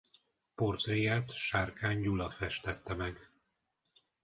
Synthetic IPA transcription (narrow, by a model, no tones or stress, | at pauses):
port̪rijaːt̪ʃaːrkaːɲɟulɒfɛʃt̪ɛt̪ːɛmɛɡ